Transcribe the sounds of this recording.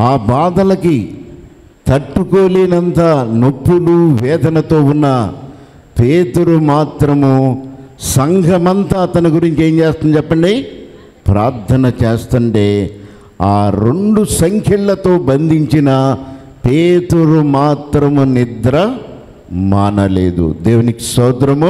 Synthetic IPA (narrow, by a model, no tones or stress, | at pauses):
aːbaːd̪ɐlɐki | t̪ɐʈːukoːleːnɐnt̪anopːuluʋɛːd̪ʱɐnɐt̪o̞ːunːɐ | peːt̪uɾumaːt̪ɾɐmu | sɐŋɡʱɐmɐnt̪aːɐt̪ɐnɐɡuɾiɲt͡ʃeːɲt͡ʃeːst̪ɐnt͡ʃɛpːɐɳɖi | pɾaːɾt̪ʰɐnɐt͡ʃeːst̪uɳʈe̞ː | aːɾoɳɖusɐŋkʰjɐɭlɐt̪o̞ːbɐnd̪ʱiɲt͡ʃinɐ | peːt̪uɾumaːt̪ɾɐmunid̪ɾɐ | maːnɐlḛːd̪ṵd̪eːʋuniki̥sɐːd̪ɾɐm